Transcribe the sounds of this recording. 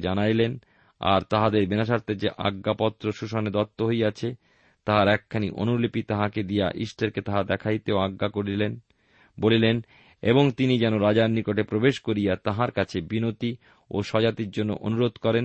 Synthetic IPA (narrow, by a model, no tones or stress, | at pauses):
d͡ʑanajlen | a̰ɾt̪aɦad̪eɾbenaʃ̬aɾt̪ed͡ʑeʔa̰ɡːapɔt̪ːɾoʃuʃoned̪ɔt̪ːoɦojat͡ɕʰe | t̪aɦaɾɛkʰːanḭʔo̰nulipit̪aɦaked̪ija̰ʔḭsʈeɾket̪aɦad̪ɛkʰajt̪eoaɡːakoɾilen | bolilen | eboŋt̪inid͡ʑɛnoɾad͡ʑannikoʈepɾobeʃkoɾijat̪aɦaɾkat͡ɕʰebinot̪i | oʃɔd͡ʑat̪iɾd͡ʑonːo̰ʔonuɾod̪kɔɾen